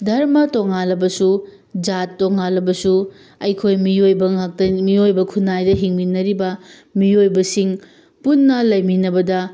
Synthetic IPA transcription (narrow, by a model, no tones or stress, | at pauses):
dʱɐɾmɐtoŋalɐbɐsu | d͡ʒatːoŋalɐbɐsu | ɐjkʰojmiojbɐŋak̚tɐmiojbɐkʰunːajdɐɦiŋminɐɾibɐ | miojbɐsiŋ | punːɐlɐjminɐbɐdɐ